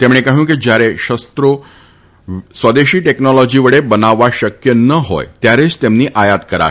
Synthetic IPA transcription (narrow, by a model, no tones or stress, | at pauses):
t̪emɳ̃ekaɦũːked͡ʑjaɾeɕəst̪ɾo | sʋəd̪eɕiːʈeknɔlɔd͡ʑiːʋəɽebənaʋaɕəkjənəɦo̰jt̪jaɾet͡st̪emniːʔajat̪kəɾa̰